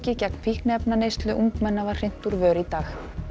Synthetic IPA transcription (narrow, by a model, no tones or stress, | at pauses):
cɪcɛkn̥fihknɛpnanejst̪lʏʔuŋkmɛnːavar̥r̥ɪn̥t̪uɾvœːɾit̪aːx